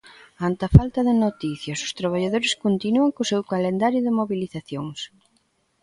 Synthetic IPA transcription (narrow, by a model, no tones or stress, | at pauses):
ant̪ɐfalt̪ɐðɪnot̪iθjɐsʊ̥st̪ɾaβ̞aʎaðoɾɪskont̪inuɐŋkʊsewkalend̪aɾjʊðɪmoβiliθaθjoŋs